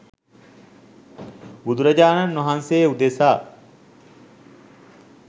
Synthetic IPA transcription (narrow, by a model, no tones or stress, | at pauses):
bud̪uɾɐd͡ʒaːnɐnːoɦanseːud̪esaː